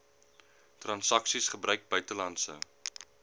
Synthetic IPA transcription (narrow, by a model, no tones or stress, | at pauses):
trɐnsɐksisχəbrœɥk̚bœɥtəlɐntsə̰